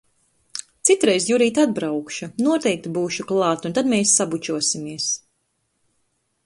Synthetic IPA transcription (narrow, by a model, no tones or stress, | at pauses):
t̪sit̪ɾɛjzjuɾiːt̪ad̪̚bɾawkʃunuɔt̪ɛjk̚t̪ibuːʃuklˠɑːt̪unt̪ad̪meːsːabut͡ʃuɔsimiɛs